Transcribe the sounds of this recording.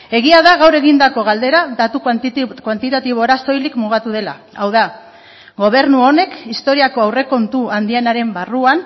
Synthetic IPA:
e̞ɣiaðaɣawɾe̞ɣind̪ako̞ɣ̞ald̪e̞ɾaðat̪ukkwant̪it̪at̪iβo̞ɾast̪o̞jlikmuɣat̪uð̞e̞la̰awða | ɡo̞β̞e̞ɾnuo̞ne̞kist̪o̞ɾiako̞awre̞ko̞nt̪uand̪ienaɾe̞mbaruan

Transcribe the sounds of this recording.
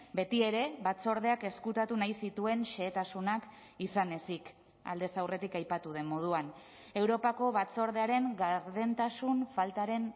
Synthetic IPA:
be̞t̪ie̞ɾe̞βat͡so̞ɾðe̞ake̞skut̪at̪unajsit̪ue̞nʃe̞ːt̪asunak | isane̞sik | a̰ld̪e̞sawre̞t̪ikajpat̪uð̞e̞mːo̞ð̞uan | e̞wɾo̞pako̞βat͡so̞ɾðe̞aɾe̞ŋɡaɾðe̞nt̪asunfalt̪aɾe̞n

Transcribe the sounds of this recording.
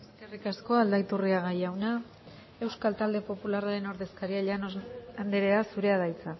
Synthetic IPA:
eskerikasko̞ald̪ajt̪uriaɣajawna | e̞wskalt̪ald̪e̞po̞pularaɾe̞no̞ɾðe̞skaɾiaʎanand̪eɾe̞asuɾe̞aðajt͡sa

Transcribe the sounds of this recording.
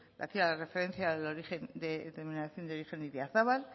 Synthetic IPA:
la̰θialare̞fe̞ɾe̞n̟θjaeloɾiχe̞nd̪et̪eɾminaθjo̞nd̪eo̞ɾixe̞nd̪iðjaθaβal

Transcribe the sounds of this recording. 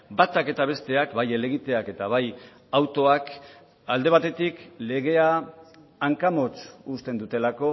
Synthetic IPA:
bat̪ake̞t̪aβ̞e̞st̪e̞akbajele̞ɣit̪e̞ake̞t̪aβaj | awt̪o̞ak | ald̪e̞βat̪e̞t̪ikle̞ɣ̞e̞aː | ŋkamo̞t͡sust̪e̞nd̪ut̪e̞lako̞

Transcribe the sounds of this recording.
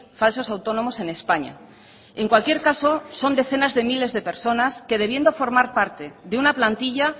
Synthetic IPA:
falso̞sawt̪o̞nõ̞mo̞se̞ne̞spaɲa̰ | e̞ŋkwalkje̞ɾkaso̞so̞nd̪e̞θe̞nazðe̞mile̞zðe̞pe̞ɾso̞naske̞ðe̞β̞je̞nd̪o̞fo̞ɾmaɾpaɾt̪e̞ðeunaplant̪iʎa

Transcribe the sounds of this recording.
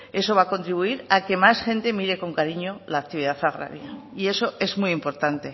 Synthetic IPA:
e̞so̞β̞ako̞nt̪ɾiβuiɾake̞masxe̞nt̪e̞miɾe̞ko̞ŋkaɾiɲo̞laːk̚t̪iβiðaθaɣɾa̰ɾjaie̞so̞ʔe̞zmiimpo̞ɾt̪ant̪e̞

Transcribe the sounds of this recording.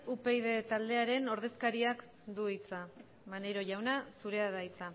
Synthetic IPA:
upejðe̞t̪ald̪e̞aɾe̞no̞ɾð̞e̞skaɾiak | d̪uit͡sa | mane̞ɾo̞ʝawnasuɾe̞aðajit͡sa

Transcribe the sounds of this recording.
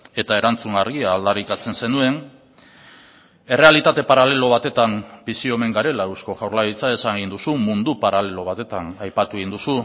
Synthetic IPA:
e̞t̪ae̞ɾant͡suŋaɾɣiaːld̪aɾikat͡se̞nse̞nue̞n | e̞re̞alit̪at̪e̞paɾale̞lo̞β̞at̪e̞t̪ambisio̞me̞ŋɡaɾe̞laewsko̞ʝawɾlaɾit͡sae̞saŋɣind̪usumund̪upaɾale̞lo̞βat̪e̞t̪anajpat̪ueɣind̪usu

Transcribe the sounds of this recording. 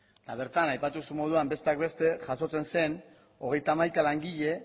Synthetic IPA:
t̪aβ̞e̞ɾt̪anajpat̪usumo̞ð̞uambe̞st̪e̞akbe̞st̪e̞ʝaso̞t͡se̞nse̞n | o̞ɣ̞e̞jt̪aːmajkalaŋɡiʎe̞

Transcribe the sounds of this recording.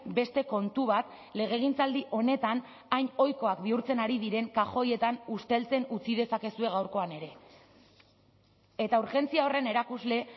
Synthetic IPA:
be̞st̪e̞ko̞nt̪uβat̪ | le̞ɣ̞e̞ɣ̞int͡sald̪iʔo̞ne̞t̪an | ajɲo̞jko̞akbiuɾt͡se̞naɾiðiɾe̞ŋkaxo̞je̞t̪anust̪e̞lt͡se̞nut͡sið̞e̞sake̞sue̞ɣ̞awɾko̞ane̞ɾe̞ | et̪auɾxe̞nt͡siao̞rene̞ɾakuzle̞

